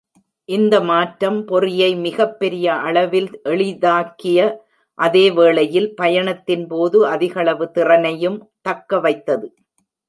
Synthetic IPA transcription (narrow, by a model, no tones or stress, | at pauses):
ʔɪnd̪ɐmaːʈɾɐmpɔrɪjɐɪmɪɣɐpːɛɾɪjɐʔɐɭɐʋɪlʔɛɭɪðaːkɪjɐ | ʔɐðeːʋeːɭɐjɪlpɐjɐɳɐt̪ːɪnpoːðɯɐðɪɣɐɭɐʋɯt̪ɪrɐnɐjɯm | t̪ɐkːɐʋɐɪt̪ːɐðɯ